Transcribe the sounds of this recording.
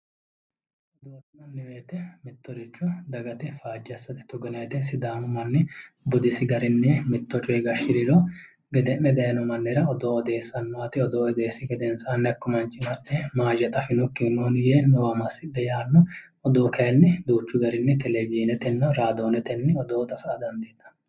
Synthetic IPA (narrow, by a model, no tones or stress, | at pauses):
ʔɔd̪oːt̪ːɪmɐnːɛweːt̪ɛmɪt̪ːɔɾɪt͡ʃːɔd̪ɐɡɐt̪ɛfaːd͡ʒːɐsːɐt̪ɪ̥t̪ɔɡɛnɐt̪ɛsɪd̪aːnʊmɐnːɛ | bʊd̪ɪsɪɡɐɾɪnːɛmɪt̪ːɔt͡ʃʼɔɛɡɐʃɪɾɪlɔ | ɡɛd̪ɛnːɛd̪ɐjɐnɔmɐnːɛɾɐɔd̪oːɔd̪e̞ːsːɐnmaːt̪ɪɔd̪oːd̪eːsɪɡɛd̪ɛnsɐɐnːɛɐkːɔmɐnt͡ʃʼːɪmɐnːɛmaːd͡ʒɛt̪ʼɐfɪnɔkːɪnoːnjɛnɔwɐmɐsɪᶑɛjaːnːɔ | ɔd̪oːkeːlnɛd̪uːt͡ʃːʊɡɐɾɪnːɛt̪ɛlɛɡiːnɛt̪ɛnːɔɾaːd̪oːnɛt̪ɛnːɛɔd̪oːt̪ɐsɐʔɐd̪ɐnd̪eːt̪ːɐ̥